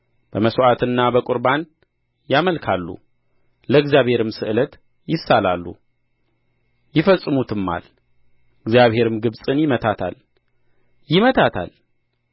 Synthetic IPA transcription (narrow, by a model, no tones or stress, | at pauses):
b̥əməsoʔat̪ʰɨnːabəkʷʼʊɾban | jaməlkʰalːṵ | ləɨɡzjaβhe̞ɾɨmsɨʔɨlət̪ | jɪsːalalːṵ | jɪfəsʼːɨmut̪ʰɨmːa̰l | ɨɡzjaβhe̞ɾɨmɡɨβsʼɨnjɪmət̪ʰat̪ʰa̰l | jɪmət̪ʰat̪ʰa̰l